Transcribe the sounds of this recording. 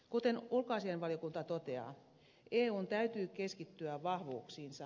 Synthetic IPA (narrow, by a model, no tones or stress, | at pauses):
kut̪enulkoɑːsienʋɑlijokunt̪ɑt̪ot̪eɑ̰ː | eːuːnt̪æyt̪yːkeskit̪ːyæʋɑhʋṵːksiːnsɑ